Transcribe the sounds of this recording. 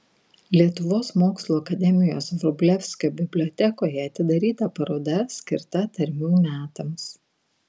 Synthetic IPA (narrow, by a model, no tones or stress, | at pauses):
lʲiɛt̪ʊʋoːsmoːkslˠuːɐkɐd̪ʲɛmʲɪjoːsʋɾɔbʲlʲɛfʲsʲkʲoːbʲɪbʲlʲɔːt̪ʲɛkoːjɛɐt̪ʲɪd̪ɐɾʲiːt̪ɐpɐɾoːd̪ɐsʲkʲɪɾt̪ɐt̪ɐɾʲmʲuːmʲæːt̪ɐms